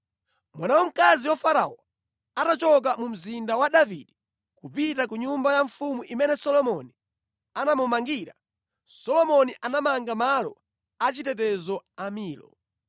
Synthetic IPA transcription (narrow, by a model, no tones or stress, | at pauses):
mwanawɔm̩kaziwafaɾa̰ɔ | atat͡ʃɔk̬amum̩zindawaɗavḭɗi | kupitak̬uɲumbajaɱfumuʔimɛnɛsɔlɔmɔni | anamumaŋɡiːɾa | sɔlɔmɔniʔanamaŋɡamalɔ̰ | at͡ʃitɛt̬ɛzɔamiːlɔ̰